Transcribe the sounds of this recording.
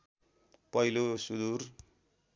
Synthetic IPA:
pʌilosud̪uɾ

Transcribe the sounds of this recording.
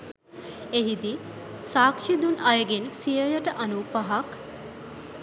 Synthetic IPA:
eɦid̪i | saːkʂid̪unɐjəɡensijəjəʈəʔɐnupaɦɐk

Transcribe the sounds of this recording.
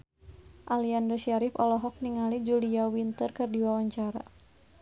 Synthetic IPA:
ʔaliandəʃaɾifɔlɔɦɔk̚niŋalid͡ʒuliawint̪ərkɨrdiwawaɲt͡ʃaɾa̰

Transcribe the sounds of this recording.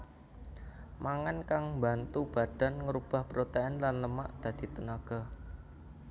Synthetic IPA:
maŋankaŋmbant̪ub̥a̤d̪̥a̤nŋəɾub̥a̤hpəɾot̪aɛnlanləmaʔd̪̥ä̤d̪̥i̤t̪ənaɡ̥ɔ̤

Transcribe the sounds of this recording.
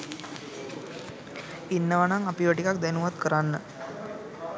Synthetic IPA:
inːəʋanaŋapiʋəʈikak̚d̪enuʋad̪kəɾanːə

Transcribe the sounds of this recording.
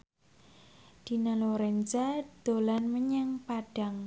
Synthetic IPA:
d̪̥inaloɾɛnd͡ʒad̪̥o̤lanməɲaŋpaɖ̥a̤ŋ

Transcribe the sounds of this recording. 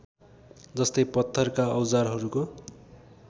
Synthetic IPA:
d͡zʌst̪ʌjpʌt̪ʰːʌrkaʌwd͡zarɦʌɾuko

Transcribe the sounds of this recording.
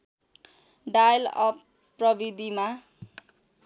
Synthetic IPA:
ɖajlʌ̰p | pːrʌbid̪ima

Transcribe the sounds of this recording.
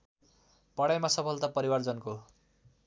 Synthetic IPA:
pʌɽajmasʌpʰʌlt̪ʌpʌɾiward͡zʌnko

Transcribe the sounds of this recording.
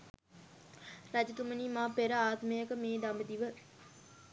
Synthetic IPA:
ɾɐd͡ʒət̪uməniːmaːpeɾəaːt̪məjəkəmeːd̪ɐmbəd̪iʋə

